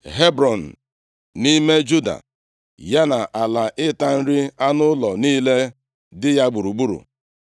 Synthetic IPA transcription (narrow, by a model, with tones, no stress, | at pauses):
ɦe˦bɾɔ˨n̩˨ | ni˦me˦d͡ʒu˦da̰˨ | ja˦na˨ʔa˨la˨ʔɪ˦ta˦n̩˦ɾɪ˦a˦nʊ˦lɔ˨niː˦le˦ | dɪ˦ja˦ɡ͡bu˨ɾu˨ɡ͡bu˦ɾṵ˨